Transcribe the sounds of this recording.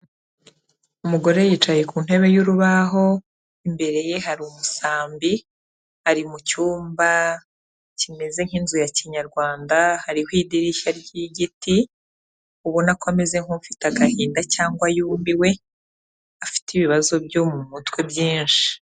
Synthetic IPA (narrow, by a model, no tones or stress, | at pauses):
umuɡo̞ɾe̞jit͡ʃajekuːn̥e̞βe̞juɾuβaɦo̞ | imbe̞ɾe̞je̞ɦaɾumusaːmbi | haɾimucuːmba | cime̞ze̞ŋ̥inzujaciɲaɾɡwaːndahaɾihwiːdiɾiʃaɾɟiɟiti | uβonakwame̞ze̞ŋ̥ufi̥taɡahiːndacaːŋɡwajuːmbiwe̞ | afi̥tiβiβazo̞bjomumutwe̞bjiːnʃi̥